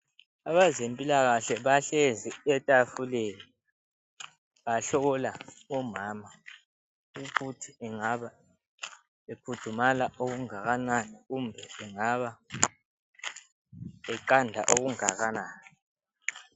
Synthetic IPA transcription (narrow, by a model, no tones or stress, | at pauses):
aβazempʼilaɣaɬɛβaɬeziɛtʼafuleli | βaɬɔɣɔlaɔmaːma | ukutʰiɛŋaβa | epʰutʰumalaʔoɣuŋaɣananɛɣumbʱɛɛŋaβa | ɛǃandʱa̰ʔoɣuŋaɣanaːnɛ